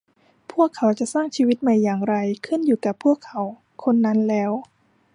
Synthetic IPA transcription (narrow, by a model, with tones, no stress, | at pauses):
pʰu˥˩əkʰːa˩˦wt͡ɕa˨˩saː˥˩ŋt͡ɕʰiː˧wi˦˥t̪̚ma˧˩jːaː˨˩ŋɾa˧jkʰɯ˥˩˨njuː˨˩ka˨˩pʰːu˥˩əkʰːa˩˦w | kʰo˧nːa˦˥nlɛː˦˥w